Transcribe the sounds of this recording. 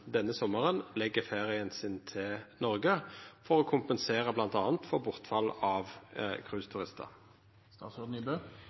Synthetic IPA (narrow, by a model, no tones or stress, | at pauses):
d̪ɛnːəsɔmːəʁənlɛɡːəfeːʁɪənsɪnt̪ʰɪlnɔʁɡəfɔʁoːkʰʊmpənseːʁəblɑnt̪ɑːnt̪fɔʁbʊʁt̪fɑlːɑʋkʰʁʉːst̪ʰʉʁɪst̪ʰə̰ʁ | st̪ɑːt̪sɔd̪n̩ɪbøː